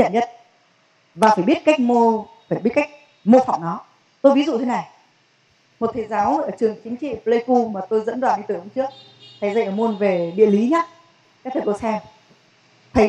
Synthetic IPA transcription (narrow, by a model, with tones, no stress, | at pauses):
ɲə̰˧˨nɲə˦˥t̚ | vaː˨˩faː˧˩jɓi˦˥ət̚ka˦˥jk̚mo˧faː˧˩jɓi˦˥t̚ka˦˥k̚ | mo˧fa˨˩wŋ͡mnɔ˨˦ | t̪o˧jvi˨˦zṵ˧˨t̪ʰe˨˦na˨˩j | mo˨˩t̚t̪ʰe˨˦zaː˨˦wʔəː˧˩t͡ɕɨ˨˩əŋt͡ɕï˨˦ŋ̟t͡ɕḭ˧˨ple˧jku˧maː˨˩t̪o˧jzə̰˧˥nɗwaː˨˩nʔi˧t̪ɨ˨˩˨hə˧˦ŋ͡mt͡ɕɨ˦˥ək̚ | t̪a˨˧˩jza̰˧˨ʔəː˧˩mo˧nve˨˩ɗḭ˧˨əli˨˦ɲaː˦ | kaː˦˥t̪ʰə˨˩ko˧sɛ˧m | t̪ʰə˨˦